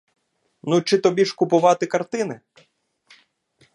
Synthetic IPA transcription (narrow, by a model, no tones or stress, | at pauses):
nut͡ʃɪt̪ɔbʲiʃkʊpʊʋɑt̪ɪkɐrt̪ɪnɪ